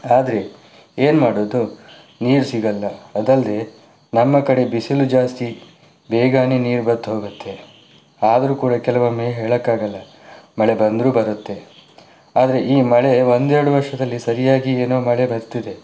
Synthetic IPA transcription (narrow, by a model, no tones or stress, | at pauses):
aːd̪ɐɾe̞ | eːnmaːɽoːd̪u | niːɾsiɡɐlːɐɐd̪ɐld̪e̞ | nɐmːɐkɐɽe̞bisilud͡ʒaːst̪i | beːɡaːniniːɾbɐd̪ːɦoːɡut̪ːe̞ | aːd̪ɐɾuːkuːɽɐkɛlɐʋɐmeːɦeːɭɐkːaːɡɐlːɐ | mɐɭe̞bɐnd̪ɾuːbɐɾut̪ːe̞ | aːd̪ɐɾe̞ʔiːmɐɭe̞ʋo̞nd̪ɛɾɐɽuʋɐɾʂɐd̪ɐlːisɐɾijaːɡieːnoːmɐɭe̞bɐɾt̪ːid̪e̞